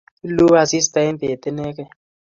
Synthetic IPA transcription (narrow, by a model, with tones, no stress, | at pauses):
lu˦a˨si˦sta˦ɛ˦mbe˨tɛ˦nɛ˦kɛ˦